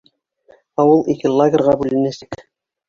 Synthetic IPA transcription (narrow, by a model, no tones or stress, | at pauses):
ɑwɤlˠikɘlˠaɡʲɪ̆rʁɑbʉlɘ̆næsɘk